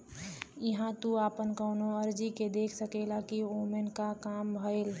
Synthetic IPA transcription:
ɪɦãt̪uaːpənkəʊnoəɾd͡ʒiked̪eːkʰsəkelakioːmenkakaːmbʱəel

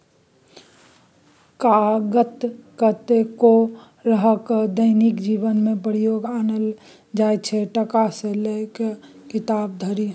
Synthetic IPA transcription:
kaɡət̪kət̪eko | ɾəɦəkd̪əɪnikd͡ʒibənmẽpəɾijoɡanəl | d͡ʒajt͡ʃʰɛʈəkaselekekɪt̪aːb̚d̪ʱəɾi

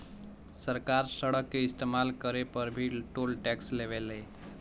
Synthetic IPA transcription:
səɾkaɾsəɽəkːeist̪emalkəɾepəɾbʱiʈolʈɛksleβele

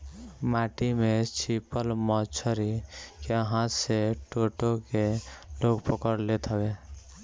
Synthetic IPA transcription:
maʈimet͡ʃipəlmət͡ʃʰəɾikeəɦãseʈoʈokeloɡpəkəɾlet̪ʰɦəbe

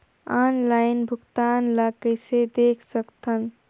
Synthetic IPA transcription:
anlaɪnbʱuɡt̪anləkəjsed̪ekʰsəkt̪ʰən

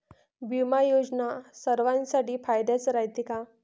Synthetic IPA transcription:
bimajod͡znasəɾʋãnsaʈiːfajd̪jat͡sɾajt̪ika

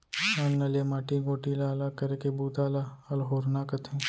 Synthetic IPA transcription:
ɐnːɐlemaːʈiɡoːʈilaːlakɐɾekebuːt̪aːlaɐlɦoːɾnakɐt̪ʰẽː

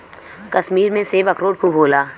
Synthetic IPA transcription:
kɐʃmiːɾmẽseːbɐkɾoːɽ̚kʰubʱoːlaː

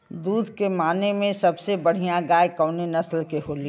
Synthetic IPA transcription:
d̪uːd̪ʱkemaːnemẽsɐbsebɐɽ̤ijãɡaːjkɔːnenɐslkeɦoːli

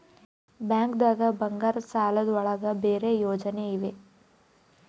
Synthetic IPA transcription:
bjaːŋkd̪aːɡɐbɐŋɡaːɾɐsaːlɐd̪ɐɭɐɡɐbeːɾe̞jɔːd͡ʒɐneiʋe̞

